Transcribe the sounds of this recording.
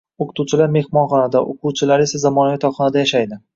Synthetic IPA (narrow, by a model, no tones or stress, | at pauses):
oqʰɨ̥t̪ʰuwt͡ʃʰɪlaɾme̞hmɒnχɒnad̪aʔoqʰuwt͡ʃʰɪlaɾe̞sazamɒnavit̪ʰɒt̪χɒnad̪ajaʃajd̪ɪ